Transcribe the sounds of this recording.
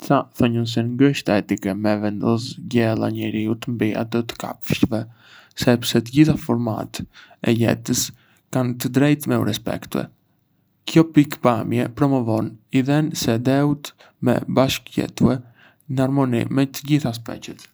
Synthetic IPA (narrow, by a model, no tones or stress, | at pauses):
t͡saθɔɲəns̬ɛnɡəʃt̪aɛt̪ikɛmɛvɛnd̪ɔsɟɛlˠa̰ɲɛɾiut̪mbia̰t̪ɔt̪ə̥ka̰pʃvɛ | sɛpsɛt̪əɟiθafɔɾma̰t̪ɛjɛ̰t̪əs | kant̪əd̪ɾɛjt̪mɛṵɾɛspɛ̰kt̪uɛ̰ | kjɔpikpamjɛpɾɔmɔvɔniðɛnsɛd̪ɛut̪ | mɛ̰baʃkjɛ̰t̪uɛ | naɾmɔnḭmɛt̪əɟiθas̬pɛ̰t͡ʃət̪